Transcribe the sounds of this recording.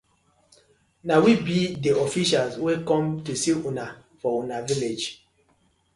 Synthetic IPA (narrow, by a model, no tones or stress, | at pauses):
nawibideɔfiʃalswekɔ̃mtusiuna | fɔunaviled͡ʒ